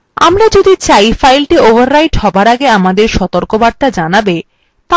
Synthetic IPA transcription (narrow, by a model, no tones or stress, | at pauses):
a̰mɾad͡ʑod̪it͡ɕajfajlʈiovʱaɾːajʈhɔbaɾaɡeamad̪eɾʃɔt̪oɾkobaɾ̚t̪ad͡ʑanabe | t̪a